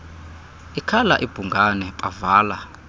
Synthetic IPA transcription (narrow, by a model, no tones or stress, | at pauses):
ikʰala̰ʔib̥ʱuŋɡanɛpʼavaːla